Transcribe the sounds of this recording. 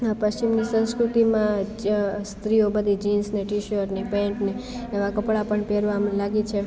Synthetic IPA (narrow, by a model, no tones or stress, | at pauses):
pəsimnisə̃nskɾut̪imã | st̪ɾiobəd̪ʱid͡ʒinsneʈiʃəɾnepẽɳʈneːʋakəpɭapəɳpeɾʋamlaɡit͡ʃʰe